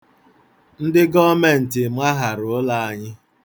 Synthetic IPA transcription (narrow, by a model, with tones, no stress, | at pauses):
n̩˦dɪ˦ɡɔ˦me˦˨n̩˨tɪ˨ma˦ɦa˨ɾʊ˨˦la˦˨a˨ɲɪ˦